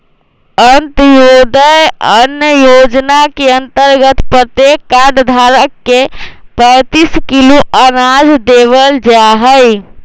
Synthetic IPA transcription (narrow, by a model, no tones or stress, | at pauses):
ənt̪jod̪əjənjəjod͡ʒnakeənt̪əɾɡət̪pɾət̪jekːaɖd̪ʱaɾəkːepə̃ɪt̪iskiloəɾad͡ʒd̪eʋəld͡ʒaɦəj